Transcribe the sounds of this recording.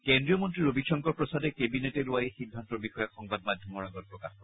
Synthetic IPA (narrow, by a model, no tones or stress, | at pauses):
kendɹijɔmɔntɹiɹobiʃɔŋkɔɹpɹɔsadɛkebineteluajexid̪ʱːantɔɹbixɔjɔkxɔŋbad̚madʱjɔmɔɹaɡɔt̚pɹɔkaxkɔɹ